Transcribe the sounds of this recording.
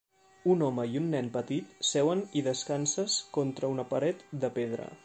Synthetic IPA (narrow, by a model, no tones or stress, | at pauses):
unɔməiunːɛnpət̪it̪sɛwəniðəskansəskɔnt̪ɾəunəpəɾɛt̪d̪əpeð̞ɾə̰